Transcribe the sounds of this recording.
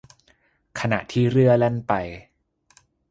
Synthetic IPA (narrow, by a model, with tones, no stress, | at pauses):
kʰa˧na̰˨˩ʔt̪ʰiː˥˩ɾɯ˥˩ɐle˥˩npa˧j